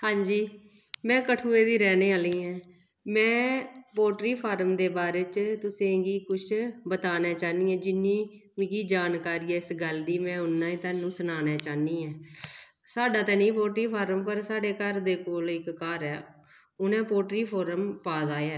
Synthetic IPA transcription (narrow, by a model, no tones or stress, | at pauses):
hãːɲd͡ʒiː | mɛ̃ːkəʈʰuːeːd̪iːɾɛːnẽːaːliːɛ̃ː | mɛ̃ːpoːʈɾiːpʰaːɾəmd̪eːbaːɾeːt͡ʃt̪ʊsẽːɡiːkʊt͡ʃʰbət̪aːnaːt͡ʃaːniːɛ̃ːd͡ʒɪnːĩːʋiːkiːd͡ʒaːnkaːɾiːɛːɪsɡəld̪iːmɛ̃ːʊnːãːĩːt̪ãːnːũːsənaːnaːt͡ʃaːniːɛː | saːɖaːt̪ɛːnĩːpoːʈɾiːpʰaːɾəmpəɾsaːɖeːkəɾd̪eːkoːlɪkːaɾɛː | ʊnɛ̃ːpoːʈɾiːpʰoːɾəmpaːd̪aːjaː